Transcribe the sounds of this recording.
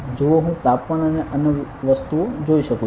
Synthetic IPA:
d͡ʒoʋoɦũt̪apmaɳanẽʔənjəʋəst̪ud͡ʒoiʃəkũ

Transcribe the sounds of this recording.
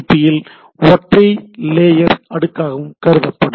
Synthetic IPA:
pːɪjɪl | ɔʈrɐɪleːjɐɾɐɽɯkːaːɣɐɯmkɐɾɯðɐpːɐɽɯ

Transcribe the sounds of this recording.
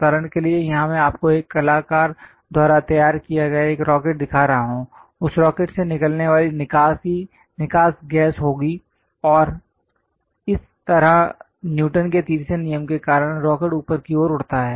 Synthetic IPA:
t̪aːɾəɽ̃keliejɐɦãmẽaːp̚koeːkːɐlaːkaːɾ | d̪ʱaːɾat̪ɐjaːɾkijaɡɐjaeːkɾɔːkeːʈ̚d̪ɪkʰaɾɐɦaɦõː | ʊsɾɔːkeːʈsenɪkəlneʋaːlinɪkaːsi | nɪkaːsɡɛːsɦoːɡi | ɔːɾ | ɪs | t̪ɐɾã | njuːʈənket̪iːɾsenijəmkekaːɾəɽ̃ɾɔːkeːʈuːpəɾkioːɾʊɽt̪aɦɛː

